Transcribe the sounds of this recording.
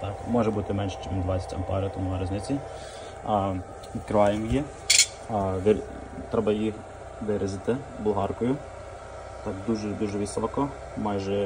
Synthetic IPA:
t̪ɑkmɔʒɛbut̪ɪmɛnʃɛ̥t͡ʃɛmmd̪ʋɑt͡sʲsʲɐ̥tʲɐ̰mpɑ̰ɾʲiut̪ɔmunɐɾɐzʲnɪt͡sʲi | ikɾɪʋɑjɛmjɛ | ʋɪɾ | t̪ɾɛbɐjix | ʋɪɾɪzɪt̪ɪ | bʊlˠɦɑrkɔjʊ | t̪ɑkd̪uʒɛd̪uʒɛʋɪsʋˠɐkɔ | mɑjʒɛ

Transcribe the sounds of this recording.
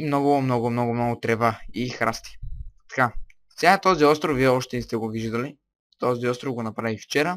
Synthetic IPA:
mnɔɡʊmnɔɡʊmnɔɡʊmnɔɡʊt̪ɾɛvaixɾa̰st̪i̥t̪ɐ̥ka | sʲat̪ɔziɔst̪ɾofviɛɔʃt̪ɛnist̪ɛɡoviʒd̪ɐli | t̪ɔziɔst̪ɾovɡonɐpɾavift͡ʃɛɾə

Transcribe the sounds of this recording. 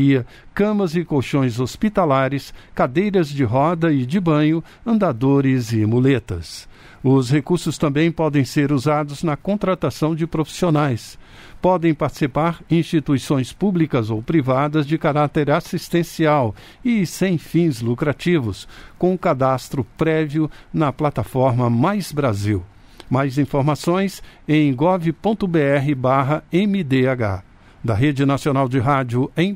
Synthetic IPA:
iɐ | kɐ̃mɐzɪkoʃõj̃zospit̪alaɾɪskad̪ejɾɐzd͡ʒɪɦɔd̪ɐɪd͡ʒɪbɐ̃ɲʊ | ɐ̃nd̪ad̪oɾɪzɪmulet̪ɐs | ʊshekuɾsʊst̪ɐ̃mbẽj̃pɔd̪ẽj̃seɾuzad̪ʊznɐkõnt̪ɾat̪asɐ̃w̃d͡ʒɪpɾofi̥sionajs | pɔd̪ẽj̃paɾt͡ʃɪ̥sipaɾĩst͡ʃit̪uisõj̃spublikɐzowpɾivad̪ɐzd͡ʒɪkaɾat̪eɾasist̪ẽsiaw | ɪsẽj̃fĩzlukɾat͡ʃivʊskõkad̪ast̪ɾʊpɾɛviʊnɐplat̪afɔɾmɐmajzbɾaziw | majzĩfoɾmasõj̃sẽj̃ɡɔvɪpõnt̪ʊbeɛɦɪbaɦɐẽmɪd̪eaɡa̰ | d̪ɐɦed͡ʒɪnasionawd͡ʒɪɦad͡ʒjʊẽj̃

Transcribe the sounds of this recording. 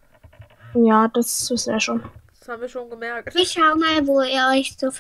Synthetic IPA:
jaːd̥asvɪsn̩eːɐʃoːnd̥shaːbm̩viːɐʃoːnɡəmɛɐk̚tviːɐʃaʊəmaːlvoːeːɐʔɔʏçz̥oːf

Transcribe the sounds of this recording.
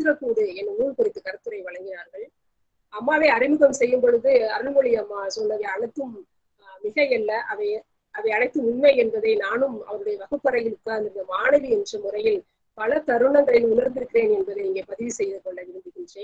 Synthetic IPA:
t̪ːɪɾɐpːuːðɯɛnːɐuːɻkɔɾɪt̪ːɯkɐɾɯt̪ːɯɾɐɪʋɐɭɐŋɡɪnaːɾɣɐɭ | ɐmːaːʋeːɐɾɪmɯɣɐmsɛjːɯmpɔɻɯðɯɐɾɯlmɔɭɪjɐmːaːsɔnːɐðɐɪɐɳɐɪt̪ːɯm | mɪɣɐjɛlːɐʔɐʋɐɪ | ɐʋɐɪɐɳɐɪt̪ːɯmʊnmɐɪɛnbɐðeɪnaːnɯmɐ̰ʋɐɾɯɽɐjɐʋɐɣɐpːɐɾɐjɪlʊkːaːɾɯnd̪ɪɾɪnɐmaːnɐʋiɛndrɐmʊrɐjɪl | pɐlɐt̪ɐɾɯɳɐŋɡɐɭɪlʊnɐɾnd̪ɪɾɯkːɪɾeːnɛnbɐðɯɪŋɡeːpɐðɪʋisɛjːðɯkːɔɭːɐʋɪɾɯnd̪ɪɣɪndrɐ

